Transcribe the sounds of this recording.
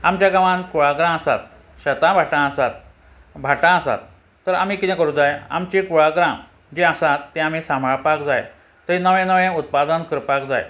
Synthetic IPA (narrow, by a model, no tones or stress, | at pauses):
amt͡ɕjaɡaʋãnkuɭaɡɾãəsa̰t̪ | ɕət̪ãbʱaʈãəsat̪̚ | bʱaʈãəsa̰t̪ː | əɾam̤iːkit̪ɛ̃kəɾũd͡zaja̰mt͡ɕikuɭaɡɾã | d͡ʑeəsat̪ːẽam̤isambʱaɭpakd͡zaj | t̪əɾinəʋẽnəʋẽut̪̚pad̪ənkəɾpakd͡za̰j